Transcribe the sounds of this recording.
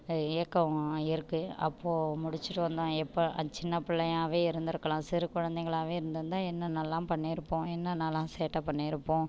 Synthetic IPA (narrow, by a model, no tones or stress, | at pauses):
ɪjɐkːɐɪɾɯkːɯɐ̰pːoːmʊɽɪt͡ʃːɯʈːɯʋɐnd̪õːɛpːoɐt͡ʃɪnːɐpɪɭːɐjaːʋeːɪɾɯnd̪ɪɾɯkːɐɭãːsɪɾɯkʊɻɐnd̪ɛɪŋɡɐɭaːʋeːɪɾɯnd̪ɐnd̪ãːɛnːɐnɐlːãːpɐɳːɪɪɾɯpːõːɛnːɐnɐlːãːseːʈːɐpɐɳːiɪɾɯpːõː